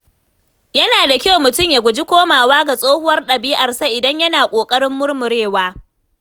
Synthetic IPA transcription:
jɐ˦naː˨da˨kʲa˦wmʊ˨tʊ˦mja˨ɡʷʊ˨d͡ʒi˦kʷoː˦maː˨waː˦ɡa˨sʼoː˦hʊ˦wɐ˦rɗɐ˨biː˦ʔɐ˨rsa˦ʔɪ˨dɐ˦ɲjɐ˦naː˨kʷʼoː˨kʼɐ˦ɽɪ˦mːʊ˦rmʊ˨ɽeː˦˨waː˦

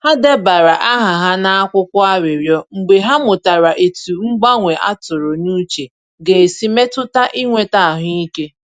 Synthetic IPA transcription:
ha˦de˦ba˨ɾa˨ʔa˦ɦa˨ɦa˦na˦a˦kʷʊ˦kʷʊ˦a˦ɾɪ˨ɾjɔ˦ŋ͡m̩˨ɡ͡be˨ɦa˦mʊ˨ta˨ɾa˨ʔe˨tu˨ŋ͡m̩˦ɡ͡ba˦ŋʷe˨ʔa̰˦tʊ˨ɾo˨nu˦t͡ʃe˨ | ɡe˨e˨si˦me˦tʊ˦ta˦ʔi˦ŋʷe˨ta˦a˨ɦʊ˦i˦ke˦

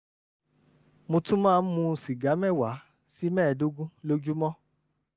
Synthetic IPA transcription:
mo˧tũ˦mãː˦˧n̩˦mũ˧si˨ɡa˨˦mɛ̃˦˨wa˨˦ | si˦mɛ̃ː˦˨do˦ɡũ˦lo˦d͡ʒu˦mɔ̃˦

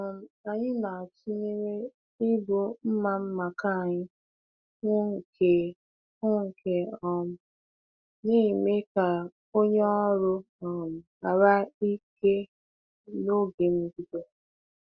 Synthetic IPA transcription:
ɔ˨m̩˨a˨ɲɪ˦na˨t͡ʃi˦ne˦ɾe˦ | i˦bʊ˨m̩˦ma˨m̩˦ma˨ka˦˨ɲɪ˦ | ŋʷʊ˦ŋ̩˨kʰe˨ | ʊ˦ŋ̩˨kʰe˨ɔ˨m̩˨ | ne˦˨me˦ka˨ | o˦ɲe˦ɔ˦ɾʊ˦ | ɔ˨m̩˨ | a˨ɾa˦i˦ke˦ | no˦ɡe˨m̩˦bi˦do˦

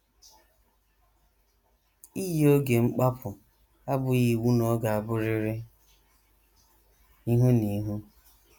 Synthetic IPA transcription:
i˦jo˦ɡe˨ŋ͡m̩˦k͡pa˦pʰʊ˨ | a˦bʊ˨ɣi˨wu˦nɔ˦ɡa˨a˨bʊ˦ɾɪ˦ɾɪ˦ | i˦ɦu˦ni˨˦ɦu˦

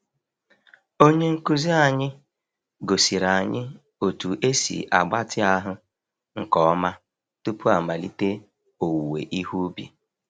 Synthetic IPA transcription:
o˦ɲe˦ŋ̩˦ku˦zi˦a˨ɲɪ˦ | ɡo˨si˨ɾa˨ɲɪ˦ | o˨tu˨ʔe˦sḭ˨ʔa˨ɡ͡ba˦tɪ˦a˦ɦʊ˦ | ŋ̩˨kɔ˨˦ma˦ | tu˦pu˦a˨ma˨li˦te˦ | o˨wu˨wḛ˨ʔi˦hu˦bḭ˨

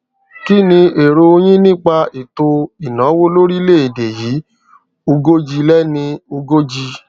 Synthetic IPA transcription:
ki˦nĩ˧e˨ɾo˧o˧j̃ĩ˦nĩ˦k͡pa˧i˨to˧i˨nã˨˦wo˦lo˦ɾi˦le˦˨i˨de˨jiː˨˦ | o˧ɡo˦d͡ʒi˧lɛ˦nĩ˧o˧ɡo˦d͡ʒi˧

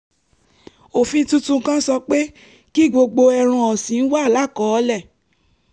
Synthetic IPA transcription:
o˨fĩ˧˦tũ˦tũ˧˦kã˦sɔ˧k͡pe˦ | ki˦˨ɡ͡bo˧ɡ͡bo˧ɛ˧ɾ̃ã˧ɔ˨sĩ˨n̩˦wa˦˨la˦˨kɔ˨˦lɛ˦˨

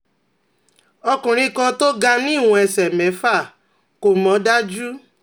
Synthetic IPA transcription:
ɔ˧kũ˨ɾ̃ĩ˧kɔ̃˧to˦ɡa˧nĩ˦˨wũ˧˦ɛ˧sɛ˨mɛ̃˨˦fa˦˨ | ko˨mɔ̃˨˦da˦d͡ʒu˦

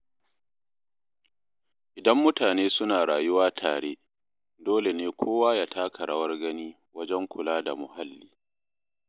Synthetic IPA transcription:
ʔɪ˨dɐ˦mːʊ˦taː˨neː˦sʊ˦naː˨ɽaː˨jʊ˦waː˦tʰa̰ː˨ɽeː˦ | doː˦le˨neː˦kʰʷoː˦waː˦jaː˦˨taː˦kʰɐ˨ɽɐ˦wɐ˦rɡɐ˦niː˦ | wɐ˦d͡ʒɛ˦ŋkʷʊ˨laː˦da̰˨mʊ˨ha˦lːiː˦

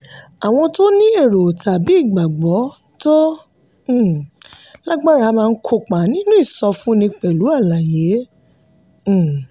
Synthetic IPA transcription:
a˨w̃ɔ̃˧to˦nĩ˦e˦˨ɾo˨ta˨bi˨˦˨ɡ͡ba˨ɡ͡bɔ˨˦ | tõ˦˨ | la˦ɡ͡ba˦ɾa˨˦mãː˧n̩˦kʰo˧˨k͡pa˨nĩ˦nũ˦i˦˨sɔ˧fũ˦nĩ˧k͡pɛ˨lu˨˦a˦˨la˨je˨˦˨

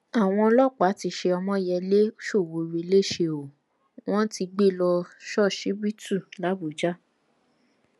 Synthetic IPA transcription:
a˨w̃ɔ̃˧lɔ˦˨k͡pa˨˦ti˧˦ʃe˧ɔ˧mɔ̃˦jɛ˧le˦o˦ʃo˦˨wo˨˧ɾi˧˦le˦˨ʃe˧o˨ | w̃ɔ̃˦ti˧ɡ͡be˦˨lɔ˧ʃɔ˦˨ʃi˨˦bi˦tu˦˨la˨˦bu˨d͡ʒa˦

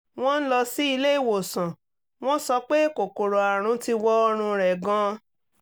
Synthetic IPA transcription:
w̃ɔ̃˦n̩˦lɔ˧si˦i˧le˦i˦˨wo˨sã˨ | w̃ɔ̃˦sɔ˧k͡pe˦ko˨ko˨ɾo˨a˨ɾ̃ũ˨˧ti˧wɔ˦ɔ˧ɾ̃ũ˧ɾɛ˨ɡã˧

